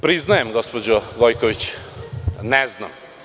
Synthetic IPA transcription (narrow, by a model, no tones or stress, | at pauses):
pɾiznajemɡospod͡ʑoɡojkoʋit͡ɕ | nezna̰m